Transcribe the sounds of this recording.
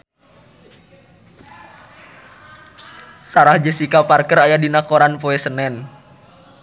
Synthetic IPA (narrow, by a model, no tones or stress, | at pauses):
saɾahd͡ʒəsikaparkəɾajadinakoɾanpoɛsənɛn